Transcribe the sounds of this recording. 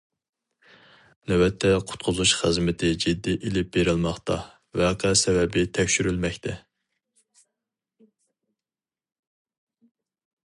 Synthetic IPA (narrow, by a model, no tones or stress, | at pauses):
nɛwɛt̪ʰːɛqʰʊ̥t̪̚qʰʊzuʃχɨzmɪt̪ʰɪd͡ʒid̪ːiʔilɪp̚beɾɪlmɑχt̪ʰɑ | vɛqʰɛsɛvɛbɪt̪ʰɛkʲʃyɾylmɛkʲt̪ʰɛ